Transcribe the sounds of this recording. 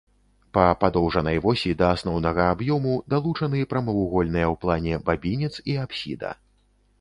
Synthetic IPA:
pɐpad̪ɔwʐɐnɐjvɔsʲid̪ɐasnɔwnɐɣɐabjɔmud̪alˠut͡ʂɐnɨpɾɐmɐuɣɔlʲnɨjɐwplˠanʲɛbabʲinʲit̪siapsʲḭd̪ɐ̰

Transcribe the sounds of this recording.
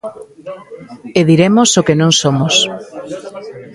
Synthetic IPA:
eðiɾemosokenõŋsomos

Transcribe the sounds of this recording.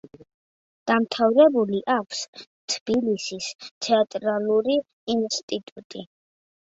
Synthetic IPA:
d̪̥amt̪ʰavɾɛbuliʔakʷʰs | t̪ʰb̥ilisist̪sʰɛat̪ʼɾalˠuɾiː | nst̪ʼit̪ʼut̪ʼi

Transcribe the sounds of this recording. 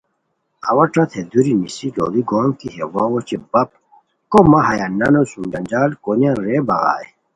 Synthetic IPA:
ɐ̰wɐʈ͡ʂɐt̪ʰed̪uɾinisilo̰liɡoːnk̪iɦewawot͡ɕebɐp̚ | komɐɦɐjanːɐnosumd͡ʑɐnd͡ʑaːlkonjaɾebɐɣa̰ːj

